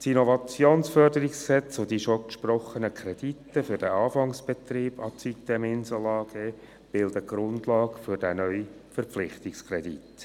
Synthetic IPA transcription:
tinɔvɑt͡sjoːnsfœrdəɾɪksksɛt͡sod̥iʃɔkʃprɔχənəkʰɾɛd̥itːəfʏɾd̥ɛʔɑːfɑŋsb̥et̪riːb̥ɑt͡sit̪ːɛmɪnsɔlɑːɡ̥eː | b̥ɪldəɡ̥ɾʊndlɑːkfʏɾd̥ænœʏifəɾflɪχtɪkskʰɾɛdit

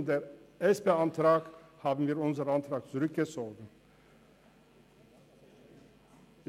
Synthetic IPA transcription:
ndeːɾʔɛspeːantɾaːkhaːbn̩viːɐɾʊnzəɾəant̪ɾaːk̚t͡suʁʏk̚ɡ̥ət͡soːɡn̩

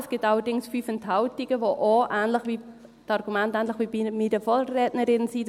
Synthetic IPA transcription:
sɡ̥ɪtɑlədɪŋsfyːfɛnthaʊtiɡ̥əʋoʔoʔæːnlɪχʋi | tɑɾɡ̥umɛntɛːnlɪχʋibimidəfoɾːɛːtnəɾɪnsiː

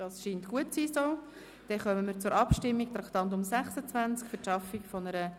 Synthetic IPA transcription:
d̥ɑːsʃiːntkuət̚t͡siːsoː | d̥ɛχœməmiːɾt͡sʊɾɑpʃtɪmːik̚t̪ɾɑkt̪ɑnt̬ʊmsɛχsət͡svænt͡skfytʃɑfikfɔnəɾə

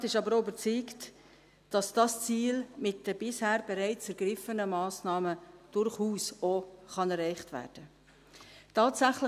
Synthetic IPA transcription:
tɪʃɑbəɾoybəɾt͡siːkt | d̥ɑsd̥ɑst͡siːlmɪt̚d̥əb̥ɪshæːɾb̥ɛɾɛɪt͡sɛɾɡ̥ɾɪfənəmɑːsnɑːməd̥ʊɾχuːsoχɑnɛɾɛɪχtvæ̰ːɾd̥ə | tʰɑːtsæχlə

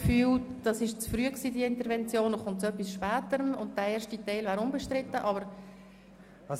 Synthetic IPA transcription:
fyːld̥ɑsɪʃt͡sfryəksiːdiəɪntəɾvɛnt͡sjoːnoχʊntt͡sʊœpːisʃpæːtəɾəmʊnt̚d̥æeːʃtitɛɪlvæːɾʊmbɛʃtɾɪtːəʔɑbəɾ

